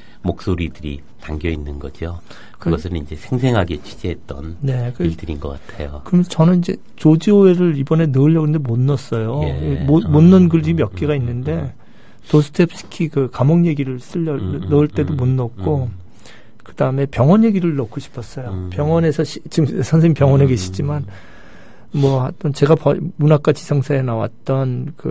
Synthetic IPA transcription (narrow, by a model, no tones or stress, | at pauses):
mok̚s͈oɾidɯɾḭ | taŋɡjʌinːɯnɡʌd͡ʑio | kɯɡʌsʰɯnind͡ʑe̞sʰeŋsʰe̞ŋɦaɡet͡ɕʰi̥d͡ʑiɦet̚t͈ʌ̰nne̞kɯidɯɾinɡʌk͈atʰḛjokɯɾʌmʌt͡ɕʌnɯnid͡ʑe̞ | t͡ɕod͡ʑioeɾɯɭibʌne̞nɯɯʎːʌɡɯnɯndemonːʌs͈ʌjomomonːɯnɡɯɭd͡ʑiɯmjʌk̚k͈iɡainːɯnde̞ | tosʰɯ̥tʰep̚s͈ɯ̥kʰikɯkamʌŋje̞ɡiɾɯɭs͈ɯʎːʌnʌɯɭt͈e̞domonːʌk̚k͈o | kɯd̥aɯme̞pjʌŋwʌnje̞ɡiɾɯɭnʌkʰːoɕʰi̥pʰʌs͈ʌjopjʌŋwʌne̞sʰʌɕʰit͡ɕimsʰʌnsʰeŋipjʌŋwʌneɡeɕʰi̥d͡ʑiman | mʌhat͈ʌnt͡ɕe̞ɡapʌmunak͈at͡ɕi̥sʰʌŋsʰaenawa̰t̚t͈ʌnkɯ̰